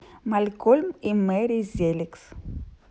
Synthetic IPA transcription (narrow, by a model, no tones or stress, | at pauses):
malkolmimeɾizeliks